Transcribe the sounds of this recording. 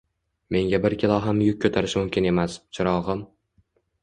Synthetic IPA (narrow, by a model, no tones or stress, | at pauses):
me̞ŋɡʲabɪɾkʲʰɪlˠɒɦamjʊk̚ʲʰkʰːot̪ʰaɾɪʃmʊmkʲʰɪne̞mast͡ʃʰɪɾɒʁɨm